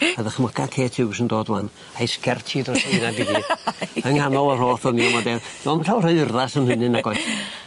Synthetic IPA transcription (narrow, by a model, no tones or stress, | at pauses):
aðəχmɔkʰakʰeːtʰɪwɪsəndoːdlan | ajskɛrtʰidrɔsinabiðiəŋanɔlˠəroːθɔniɔmɔdɛd̥ɔːmənɬaːwrəðrðasəmhɨnɨnaɡɔjθ